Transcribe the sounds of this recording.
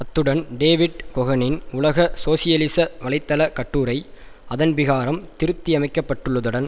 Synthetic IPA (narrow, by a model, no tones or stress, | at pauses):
ɐt̪ːɯɽɐnɖeːʋɪɖkɔɣɐnɪnʊlɐɣɐsoːsɪjɐlɪsɐʋɐlɐɪt̪ːɐlɐkɐʈːuːɾɐɪɐðɐnʋɪɣaːɾɐmt̪ɪɾɯt̪ːiɐmɐɪkːɐpːɐʈːɯɭːɐðɯɽɐn